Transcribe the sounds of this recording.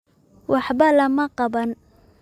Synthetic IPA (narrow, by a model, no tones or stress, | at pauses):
wɑħbɐlɐmɐqɑbɐn